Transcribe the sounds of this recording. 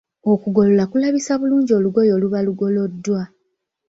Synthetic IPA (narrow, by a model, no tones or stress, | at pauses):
okuɡo̞lolakulaβisaβuluːɲɟio̞ːluɡo̞jo̞ːluβaluɡo̞lo̞dːwa